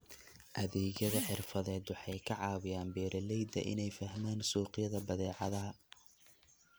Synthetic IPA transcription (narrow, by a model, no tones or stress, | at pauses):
ʔɐðɛːɣjɐðɐħɪrfɐðɛːd̪wɑħɑjkʰɐʕɑːβɪjaːnbɛːɾʔɛlɛjd̪ɐ̰ʔɪ̰nɛjfɐɦmaːnsuːqɪjɐðɐbɐðɛːʕɑðɐɦɐ